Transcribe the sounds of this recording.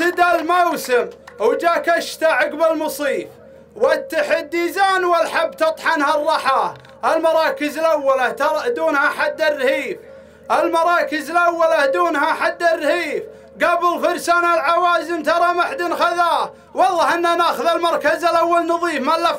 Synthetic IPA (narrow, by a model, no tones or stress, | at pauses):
ɪd̪almowsɪmwd͡ʒaːkaʃt̪aʕaɡbɪlmʊsˤiːf | wat̪ːɪħɪd̪ːiːzaːnwalħabːt̪ɑt̪ˤħɑnharˤːɑħa | ʔalmɑɾˤɑːkəzɪlʔawːalat̪ˤd̪uːnhaħad̪ːarːhiːf | ʔalmɑɾˤɑːkəzɪlʔawːalahd̪uːnhaħad̪ːarːhiːf | ɡabɪlfʊɾˤsanalʕawaːzɪnt̪ɑɾˤɑmaħd̪ɪnxaðaː | wɑlˤːɑħʔɪnːanaːxʊðalmɑɾˤkazalʔawːalnɑðˤiːfmalːa